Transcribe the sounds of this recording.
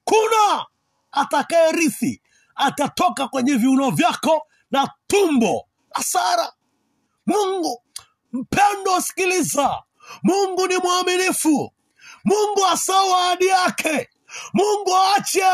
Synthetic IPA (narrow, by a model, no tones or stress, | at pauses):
kunaː | takaɛɾiθḭ | atatɔkakwɛɲɛviunɔvjakɔ | natumbɔ | asaɾa | muŋɡu | m̩pʰɛndɔsi̥kiliza | muŋɡunimwaminifu | muŋɡuasawaːɗijakʰɛ | muŋɡuaat͡ʃa